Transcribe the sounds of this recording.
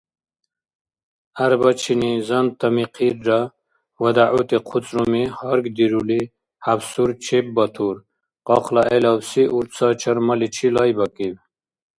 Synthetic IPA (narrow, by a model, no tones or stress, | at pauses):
ɐɾbɐt͡ʃʰinizɐnt̪ɐmiqʰiɾɖa | wɐd̪aʕut̪iqʰut͡sɾumihɔɾɡd̪iɾuli | habsuɾt͡ʃʰep̚bɐt̪ʰuɾ | qɔqlaʔelɑbsiʔuɾt̪t͡sʰɑt͡ʃʰɐɾmɐlit͡ɕʰilɑjbɐkim